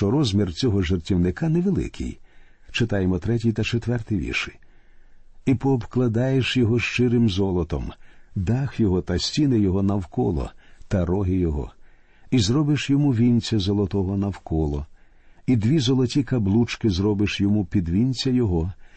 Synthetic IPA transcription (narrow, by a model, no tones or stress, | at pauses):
ʃt͡ʃɔɾɔzʲmʲirt͡sʲɔɦɔʒertʲiwnɪkanɛʋelˠɪ̰kʰɪ̰j | t͡ʃɪt̪ɑjemɔt̪ɾɛt̬ʲijt̪ɐt͡ʃet̪ʋɛrt̪ɪjʋʲḭrʃɪ | ipɔːbklˠɐd̪ɑjeʃjɔɦɔʃt͡ʃɪɾɪmzɔlˠɔt̪ɔmd̪ɑxjɔɦɔt̪ɐsʲtʲinɪjɔɦɔnɐwkɔlˠɔ̰t̪ɐɾɔɦɪjɔɦɔ̰ | izɾɔbɪʃjɔmuʋʲinʲt͡sʲɐzɔlˠɔt̪ɔɦɔnɐwkɔlˠɔ | id̪ʋʲizɔlˠɔtʲikɐblˠut͡ʃkɪzɾɔbɪʃjɔmupʲid̪ʋʲinʲt͡sʲɐjɔɦɔ